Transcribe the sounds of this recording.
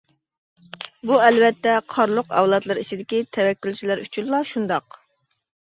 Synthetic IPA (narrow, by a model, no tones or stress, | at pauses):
buɛlvɛt̪ːɛqʰɑɾlˠʊqɛ̰wlˠɑt̪lˠɨɾit͡ʃʰid̪ɪkʲit̪ʰɛwɛkʲːylʲt͡ʃʰilæɾyt͡ʃʰynlˠɑʃund̪ɑq